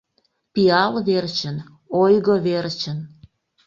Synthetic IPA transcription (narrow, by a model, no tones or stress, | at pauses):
piɑlβert͡ɕən | ojɣoβert͡ɕən